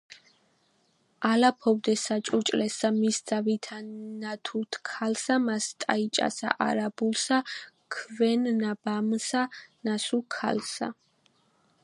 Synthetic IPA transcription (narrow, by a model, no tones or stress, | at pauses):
alapʰɔvd̪ɛsat͡ʃʼut͡ʃʼlɛsamisd̪z̥avit̪ʰanat̪ʰut̪ʰkʰalsamast̪ʼa̰it͡ʃʼa̰sa̰ʔaɾabulˠsakʰvɛnnabamsanasukʰa̰lsa̰